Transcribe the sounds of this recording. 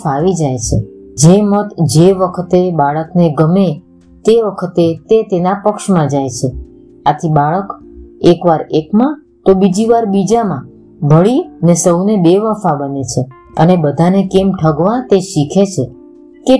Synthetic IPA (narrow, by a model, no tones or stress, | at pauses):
faʋid͡ʒajt͡ʃʰḛd͡ʒemət̪d͡ʒeʋəkʰt̪ebaɭəkneɡəme | t̪eʋəkʰət̪et̪et̪enapəkʃmãd͡ʒajt͡ʃʰe | at̪ʰibaɭəkekʋaɾekmã | t̪obid͡ʒiʋaɾbid͡ʒamã | bʱəɭiənesəwnebeʋəfabənet͡ʃʰe | ə̰nebəd̪ʱanekemʈʰəɡʋãt̪eʃikʰet͡ʃʰe | ke